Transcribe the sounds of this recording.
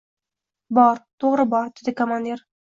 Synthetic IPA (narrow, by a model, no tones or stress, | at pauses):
bɒɾt̪ʰoʁɾɨbɒɾd̪ɪd̪ɪkʰomand̪ʲeɾ